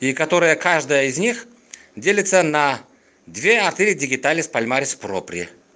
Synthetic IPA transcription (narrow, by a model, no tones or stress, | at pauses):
ikɐt̪o̞ɾɨjəkaʐd̪əjəɪzʲnʲix | dʲelʲɪt̪sənɐ | d̪vʲeɐrt̪ʲilʲɪdʲɪɡʲɪt̪alʲɪspɐlʲmaɾʲɪspɾopɾʲɪɪ